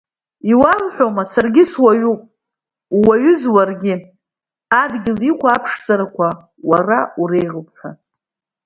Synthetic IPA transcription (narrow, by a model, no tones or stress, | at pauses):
iwalħʷᶣomasarɡʲɪswaɥupʼ | waɥʊzwarɡʲɪ | adɡʲɪlikʷʰaːpʰʂt͡sʼaɾakʷʰa | warauɾe̞jʁəp̚ʰʼħʷa